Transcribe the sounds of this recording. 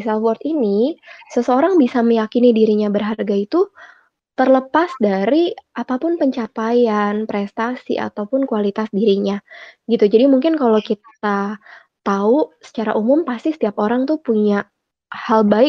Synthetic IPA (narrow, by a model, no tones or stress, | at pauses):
salwɔrt̪inisəsəoɾaŋbisaməjakinidiɾiɲabərɦarɡait̪u | t̪ərləpasdaɾiʔapapʊnpəɲt͡ʃapajanpɾɛst̪asḭʔa̰t̪awpʊnkualit̪asdiɾiɲaɡit̪ud͡ʒadimuŋkɪnkalowkit̪ | a | t̪ausə̥t͡ʃaɾa̰ʔumʊmpast̪isə̥t̪iap̚oɾaŋt̪upuɲa | halbaɪk̚